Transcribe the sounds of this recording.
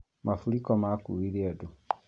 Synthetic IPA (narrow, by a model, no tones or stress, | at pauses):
mʔafulikomakṵiɾiadu